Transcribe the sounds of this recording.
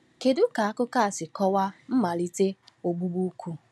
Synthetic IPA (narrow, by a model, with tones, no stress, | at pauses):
ke˨dʊ˦ka˨a˦kʊ˦ka˦˨sɪ˨kɔ˦wa˦m̩˦ma˨li˦te˦o˨ɡ͡bu˦bu˦kʷʰu˦